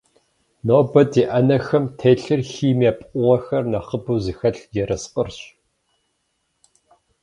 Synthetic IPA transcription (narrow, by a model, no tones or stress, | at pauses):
noːbɐdiʔɐnɐxɐmtʰeːɬɨrxiːmaːpʼqʷʼʊʁɐxɐrnɐχəbɨːzɨxɐɬjɛrɐsqʼərɕ